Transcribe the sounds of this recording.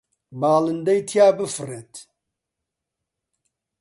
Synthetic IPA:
baːlɨnd̪ɐjt̪ʰjaːbɨfɨret̪

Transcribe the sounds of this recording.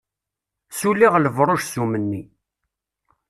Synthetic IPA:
sulːiʁləvɾˤoʃsumənːi

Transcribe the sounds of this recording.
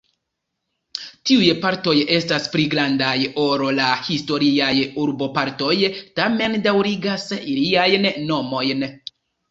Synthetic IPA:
tiujpaɾto̞je̞staspɾiɡɾandajo̞ɾolahisto̞ɾiajuɾbo̞paɾto̞jtame̞ndawɾiɡasiliajnno̞mo̞jn

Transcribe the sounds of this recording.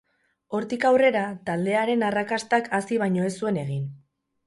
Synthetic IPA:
o̞ɾt̪ikawre̞ɾat̪ald̪e̞aɾe̞narakast̪akasiβ̞ajɲo̞e̞sue̞ne̞ɣ̞in

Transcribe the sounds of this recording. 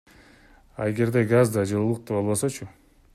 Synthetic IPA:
ɑ̰eɡe̞ɾd̪eɡazd̪ɑd͡ʒɯlˠulˠuq̚t̪epolˠβosot͡ʃʰu

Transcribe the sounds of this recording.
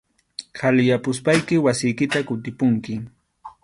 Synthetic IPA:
kalɪjapʊspajkɪwasɪjkɪt̪akʊt̪ɪpʊŋkɪ

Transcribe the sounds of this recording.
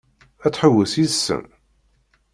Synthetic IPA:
æt͡sːħəwːəsiðsːə̰m

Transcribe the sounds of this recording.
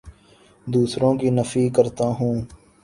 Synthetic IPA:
d̪uːsɾõːkinəfiːkəɾt̪aːɦũː

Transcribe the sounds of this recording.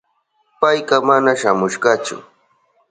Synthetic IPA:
pajɢɑmanaʃamʊʃɢɑt͡ʃʊ̰

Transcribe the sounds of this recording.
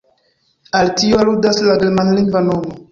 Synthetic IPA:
altioaludaslaɡemanliŋɡvanomo

